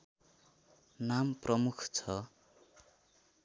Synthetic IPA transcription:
namprʌmukʰt͡sʰʌ

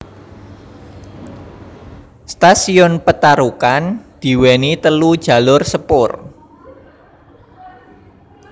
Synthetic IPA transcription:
st̪asiʊnpət̪aɾukand̪̥i̤wɛnit̪əlud̥ʒ̥ä̤lʊrsəpʊr

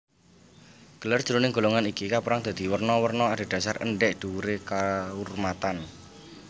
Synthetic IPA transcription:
ɡ̥ə̤lər̥ʒ̥əɾunɪŋɡo̤loŋanikikapuɾaŋd̪̥a̤d̪̥i̤wərnɔwərnɔad̥a̤d̥ä̤sarə̰ɳɖɛʔd̥ṳɾekaurmat̪an

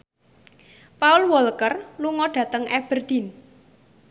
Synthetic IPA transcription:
paʊlwɔlkərluŋɔɖ̥ä̤t̪əŋɛb̥ərd̪̥i̤n

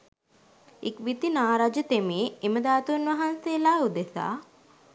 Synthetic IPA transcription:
ikʋit̪inaːɾad͡ʒət̪emeːeməd̪aːt̪unʋɐɦanseːlaːud̪esa̰ː

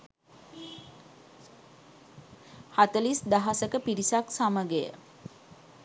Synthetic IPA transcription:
hat̪əlisd̪aɦasəkəpiɾisaksaməɡejə̰

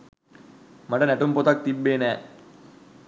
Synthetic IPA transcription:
maʈənæʈumpot̪ak̚t̪ibːeːnæː

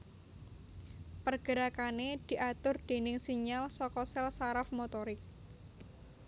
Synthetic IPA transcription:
pərɡ̥əɾakaned̪̥i̤ʔat̪ʊrd̪̥e̤nɪŋsiɲalsɔkɔsɛlsaɾafmot̪ɔɾɪk̚

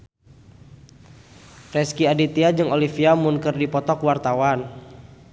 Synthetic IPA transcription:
rɛskiadit̪iad͡ʒɨŋolifiamunkərdipɔt̪ɔkwart̪awan

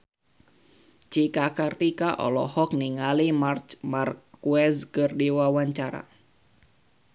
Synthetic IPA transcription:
t͡ʃikakərt̪ikaʔɔ̰lɔ̰hɔk̚niŋalimart͡ʃmarkuɛskərdiwawaɲt͡ʃaɾa̰

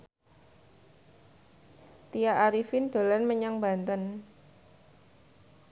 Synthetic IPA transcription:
t̪ijaʔaɾifɪnd̪̥o̤lanməɲaŋba̤nt̪ən

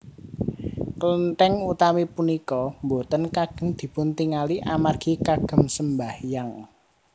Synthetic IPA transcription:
kələnt̪ɛŋut̪amipunikɔmbot̪ənkaɡ̥ə̤ŋd̪̥i̤pʊnt̪iŋaliʔamarɡ̥i̤kaɡ̥ə̤msəmbahjaŋ

